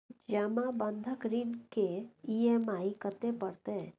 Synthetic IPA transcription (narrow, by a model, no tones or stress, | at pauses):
d͡ʒɛmãbənd̪ʱəkɾiːnkeiemaːikət̪epəɽt̪e